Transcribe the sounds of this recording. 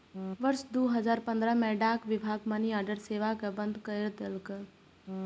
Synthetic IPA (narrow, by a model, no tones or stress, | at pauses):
ʋəɾʃd̪uːɦəzaːɾpə̃nd̪ɾəmɛ̃ɖaːkʋɪbʱaːɡmaniaːɾɖəɾseːʋakəbənd̪ʱkəjɾd̪əlkə